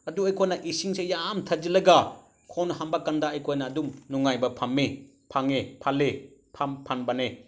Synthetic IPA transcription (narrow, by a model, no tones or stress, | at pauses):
ɐduɐjkʰojnɐʔisiŋsejamtʰɐd͡ʒilɐɡa | kʰonɦambakɐndaːjkʰojnɐːdumnuŋajbɐpʰamːi | pʰaŋepʰalːepʰampʰanbɐne